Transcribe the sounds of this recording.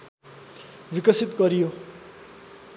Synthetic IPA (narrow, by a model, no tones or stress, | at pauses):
wikʌsit̪ɡʌɾijo